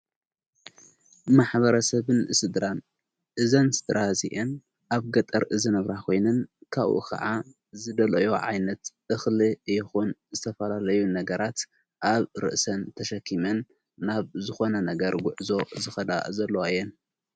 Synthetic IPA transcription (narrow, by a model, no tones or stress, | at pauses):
maħβɐɾɐsɐβɨnɨsɨd̪ɾan | ʔɨzɐnsɨd̪ɾazḭʔen | ʔaβɡɐt̪ʼɐɾʔɨzɨnɨβɾakʰo̞jnɐnkʰaβʔṵkʰɐ̰ʕa | zɨd̪ɐlɐjo̞ʕa̰jnɐt̪ʔɨxliɨjːɪxunzɨt̪ʰɐfɐlalɐjunɐɡɐɾat̪ | ʔaβɾɨ̰ʔsɐnt̪ʰɐʃɐkʰːimɐnː | aβzɨxo̞nɐnɐɡɐɾɡʷʊʕzo̞zɨxɐd̪a̰zɐlːoajːɛn